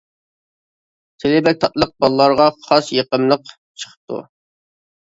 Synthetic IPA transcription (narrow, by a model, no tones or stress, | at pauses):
t̪ʰɪlɪbɛk̚t̪ʰɑt̪lˠəq̚bɑlˠlˠɑɾʁɑχɑsjeqəmlˠəq | t͡ʃʰə̥χʰə̥p̚t̪ʰṵ